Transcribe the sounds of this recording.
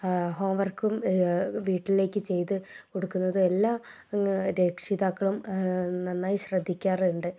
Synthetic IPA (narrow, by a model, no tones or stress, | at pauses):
ɦoːmʋɐrkumʋiːʈːile̞ːkʲːɨt͡ɕe̞jt̪ɨko̞ɽukːunːɐðɨe̞lːaː | ɾe̞ːkʂiðaːkːɐɭumnɐnːaːjiɕrɐd̪ʱːikʲːaːruɳɖɨ